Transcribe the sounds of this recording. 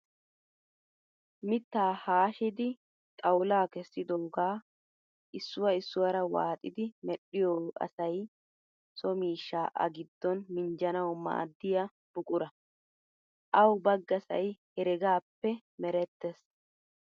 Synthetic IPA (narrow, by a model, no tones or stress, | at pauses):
mɪt̪ːaːhaːʃɪd̪ɪ | t̪ʼɐwʊlaːkɛsːɪd̪oːɡaː | ʔɪsːʊwɐɪsːʊwɐɾɐwa̰ːt̪ʼɪd̪ɪmɛɗːɪjɔʔɐ̰sɐj | sɔmiːʃːaːʔɐ̰ɡɪd̪ːɔnmɪnd͡ʒɐnɐwma̰ːd̪ːɪjɐ | b̥ʊkʼʊɾɐ | ʔɐwbɐɡːɐsɐ̰jhɛɾɛɡaːpːɛ | mɛɾɛt̪ːɛs